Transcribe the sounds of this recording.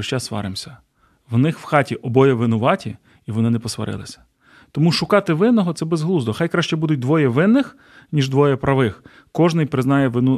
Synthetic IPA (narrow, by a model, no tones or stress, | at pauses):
ʃt͡ʃɛsʋɑ̰ɾɪmsʲɐ̥ | ʋnɪxwxɑtʲiʔɔbɔjɛʋɪnʊʋɑtʲi | iʋɔnɪnɛpɔsʋɐ̰ɾɪ̰lˠɪ̰sʲɐ̥ | t̪ɔmuʃʊkɑt̪ɪʋɪnːɔɦɔt̪sɛbezɦlˠuzd̪ɔxɑjkɾɑʃt͡ʃɛbud̪ʊt̚ʲd̪ʋɔjɛʋɪnːɪx | nʲiʒd̪ʋɔjɛpɾɐʋɪx | kɔʒnɪjpɾɪznɑjɛʋɪnu